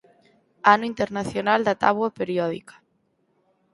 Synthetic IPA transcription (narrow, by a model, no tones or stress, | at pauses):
anʊint̪eɾnaθjonald̪at̪aβwapeɾiɔðḭkḁ